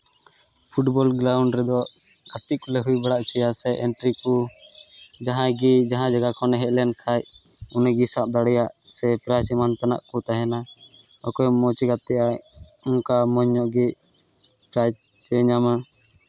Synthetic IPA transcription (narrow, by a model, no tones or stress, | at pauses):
pʰuʈbɔlɡɾawɳɖɾɛd̪ɔʔɡ̥at̪iʔkɔlɛɦujbaɽaʔt͡ʃʰujasɛʔɛɳʈɾiku | d͡ʒaɦãɡid͡ʒaɦãd͡ʒaɡakʰɔnɛɦɛʔ̪̚lɛnkʰaj | unɛɡisap̚d̪aɽɛjaʔsɛpɾasimant̪ana̰ʔkɔt̪aɦɛna | ɔkɔjmɔt͡ʃɛɡat̪ɛʔaɔŋkamɔɲːɔʔɡi | pɾaj | t͡ʃɛɲama